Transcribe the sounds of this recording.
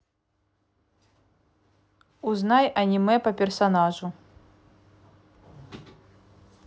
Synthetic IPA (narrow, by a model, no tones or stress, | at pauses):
uznajʔɐnʲimɛpɐpʲɛrsanaʐu